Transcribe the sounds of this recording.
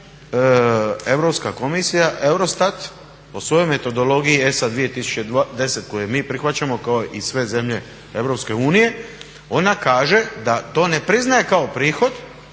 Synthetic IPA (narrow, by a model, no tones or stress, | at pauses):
e̞ʋɾo̞pskako̞misijaʔe̞wɾo̞st̪at̪ | posʋo̞jo̞jme̞t̪o̞d̪o̞lo̞ɡijie̞sad̪ʋije̞t̪isu̥t͡ɕe̞d̪e̞se̞t̪̚ko̞jemiːpɾixʋat͡ɕamo̞kao̞ʔisʋe̞ze̞mʎe̞ | e̞ʋɾo̞pske̞uːnije̞ | o̞nakaːʒe̞d̪at̪o̞ːne̞pɾiznaje̞kao̞pɾiːxo̞d̪